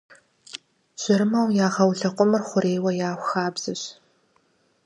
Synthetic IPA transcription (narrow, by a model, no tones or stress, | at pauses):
ɕɪɾɨmɐwjaːʁɐwɬɐqʷʼʊmɨrχʷʊɾeːwɐjaːxʷxaːbz̥ɨɕ